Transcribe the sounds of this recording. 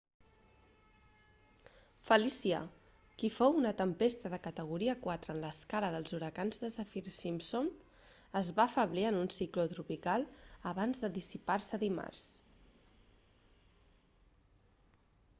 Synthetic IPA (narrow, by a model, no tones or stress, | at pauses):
fəlisiə̰ | kifowunət̪əmpest̪əðəkət̪əɣ̞uɾiəkwat̪ɾəːnləskaləðəlˠzuɾəkanzðəsəfiɾsimpsom | əzβaːfəβliənunsiklət̪ɾupikalˠəβanzðəðisiparsəðima̰rs